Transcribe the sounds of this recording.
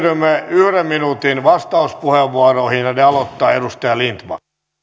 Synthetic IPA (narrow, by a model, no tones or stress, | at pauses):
rymːeyhɾemminuːt̪inʋɑst̪ɑuspuheʋʋuɑrohinɑneɑlot̪ːɑːedust̪ɑjɑlint̪mɑ̰